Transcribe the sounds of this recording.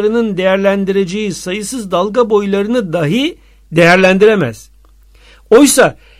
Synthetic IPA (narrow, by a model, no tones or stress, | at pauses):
ɾɯnɯnd̪e̞jæɾlʲænd̪iɾed͡ʒejisajɯsɯzd̪alˠɡabo̞jlˠaɾɯnɯd̪aɦɯ | d̪e̞jæɾlʲænd̪iɾemæ̰z̥ | o̞jsa